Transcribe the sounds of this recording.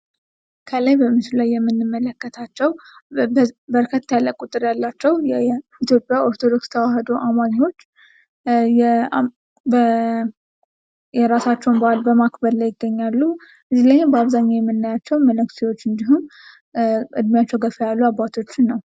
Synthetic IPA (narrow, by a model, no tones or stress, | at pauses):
kʰəlajbəmɨslulajːɛmːɨnːɨmːələkːət̪ʰat͡ʃːɛw | bəɾkʰət̪ːjaləkʼut̪ʼɨɾjalːat͡ʃːɛwjɛit̪ʰjo̞pʼjaʔo̞ɾt̪ʰod̪o̞kst̪ʰəwaɦəd̪oʔamaɲwo̞t͡ʃː | jɛ | bə | jɛɾasat͡ʃːɛwnbəalbəmakbəd̪ləjɪɡːəɲːalːu | ʔɨzilajbəaβzaɲːajɛmːɨnːajat͡ʃːɛwmənɨksiwo̞t͡ʃːɨnd̪iɦum | ʔɨ̰d̪mijat͡ʃːɛwɡəfəjalːuabːat̪ʰo̞t͡ʃːɪnːəw